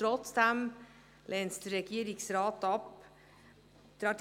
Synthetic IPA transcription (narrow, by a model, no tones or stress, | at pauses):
ɾɔt̪sd̪ɛm | lʔɛnst̪ɾɛkiəɾɪksɾɑːt̪ɑp | d̪̥ɾɑːʈ